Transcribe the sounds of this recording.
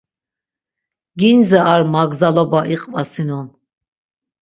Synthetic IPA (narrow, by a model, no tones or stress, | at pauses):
ɡinzɛaɾmaɡzalɔbaʔiqʼvasinɔn